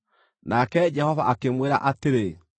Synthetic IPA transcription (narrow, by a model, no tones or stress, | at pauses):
nakɛd͡ʑɛhɔvaʔakemweɾa̰ʔateɾe